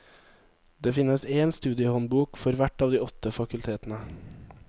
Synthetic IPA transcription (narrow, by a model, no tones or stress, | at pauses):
d̪̥eːfɪnəseːnst̪ʉːd̪ɪəhɔnbuːkfɔɾʋæʈɑːʋd̪iːɔt̪əfɑkʉlt̪ʰeːt̪n̩ə